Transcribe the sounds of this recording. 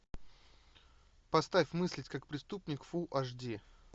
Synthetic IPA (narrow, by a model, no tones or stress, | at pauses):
pɐst̪afʲmɨsʲlʲɪtʲkakpɾʲɪst̪upnʲɪkfuʔaʐdʲi